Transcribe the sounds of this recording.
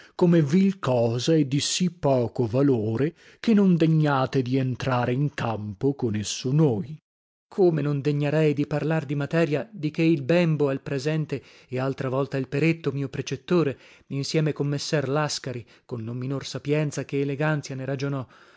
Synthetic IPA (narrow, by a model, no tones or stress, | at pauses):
komevilkɔːzaed̪ːisipːɔːkovaloːɾe | kenːond̪eɲːaːt̪ed̪ient̪ɾaːɾeiŋkampokonesːonoːj | kʰomenond̪eɲːeɾɛjd̪iparlard̪imat̪ɛːɾjad̪ik̟eilbɛmboalpɾezɛnt̪eː | alt̪ɾavɔlt̪ailpeɾet̪ːomiːopɾet͡ʃet̪ːoːɾe | insjɛːmekomːesːɛrlaskaɾi | konːomːinorsapjɛnt̪sakeːleɡant̪sjaneɾad͡ʒonɔ